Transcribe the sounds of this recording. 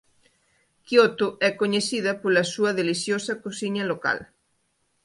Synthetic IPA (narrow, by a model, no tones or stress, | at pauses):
kjot̪ʊɛkoɲeθiðɐpolɐsuɐðeliθjosɐkosiɲɐloka̰l